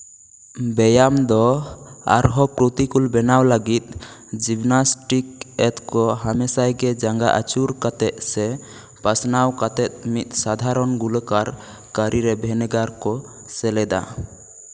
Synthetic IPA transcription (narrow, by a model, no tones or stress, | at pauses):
bɛjamd̪ɔa̰ɾɦɔpɾot̪ikulbɛnawləɡit̪̚ | d͡ʒibnasʈikɛt̪kɔɦamɛsajɡɛd͡ʒaŋɡaʔa̰t͡ʃuɾkat̪ɛt̪̚sɛ | pasnawkat̪ɛt̪̚mit̪̚ˀsad̪ʱaɾɔnɡuləkaɾ | kəɾʔiɾɛbʱɛnɛɡaɾkɔ | sɛlɛd̪a̰